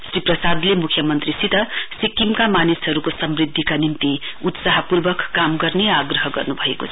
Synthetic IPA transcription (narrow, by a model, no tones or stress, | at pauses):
sriprʌsad̪lemukʰjʌmʌnt̪risit̪ʌsikːimkamanisɦʌɾukosʌmrid̪ʱːikanint̪i | ut̪saɦʌpurbʌkːamɡʌrneaɡrʌɦʌɡʌ̰rnubʱʌḛko̰t͡sʰʌ